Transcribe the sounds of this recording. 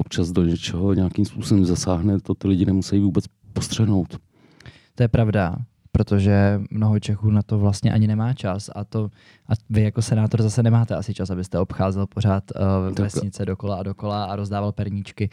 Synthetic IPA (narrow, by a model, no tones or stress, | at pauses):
ʔop̚t͡ʃazdoɲɛt͡ʃɛɦoɲɛakimspuːsobɛmzasaːɦnɛt̪ot̪ɪlɪɟɪnɛmusɛjivuːbɛt͡s | post̪r̥ɛɦnowt̪ | t̪o̞jɛpɾavda | pɾot̪o̞ʒɛmno̞ɦo̞t͡ʃɛxuːnat̪o̞vlast̪ɲɛ̰ʔa̰ɲɪnɛmaːt͡ʃasa̰t̪o̞ | ʔavɪjako̞sɛnaːt̪o̞ɾzasɛnɛmaːt̪ɛasɪt͡ʃasabɪst̪ɛo̞pxaːzɛlpo̞ɾ̝aːt̪vɛsɲɪt͡sɛdo̞ko̞laado̞ko̞laaɾo̞zdaːvalpɛɾɲit͡ʃkɪ